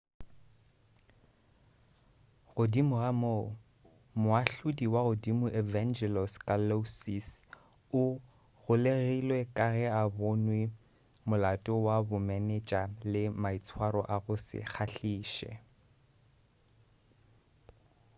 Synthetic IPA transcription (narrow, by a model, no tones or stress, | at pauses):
ɣʊdimʊɣamo | mʊaɬʊdiwaɣʊdimʊʔɛvand͡ʒɛlɔskʼalosis | ʊ | ɣʊleɣilwɛkʼaɣɛabʊnwɪ | mʊlatʼɔwabʊmɛnɛt͡ʃʼalɪmait͡sʰwaɾɔ̰ʔaɣʊsɪ̰k͡xʰaɬiːʃɛ̰